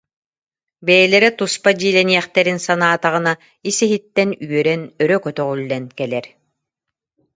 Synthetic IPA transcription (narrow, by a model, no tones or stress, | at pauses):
bɛjɛlɛɾɛt̪uspad͡ʑiːlɛniɛχt̪ɛɾinsanaːt̪aʁɯna | isɛɦit̪ːɛnyœɾɛnœɾœkœt̪œʁylːɛnkɛlɛɾ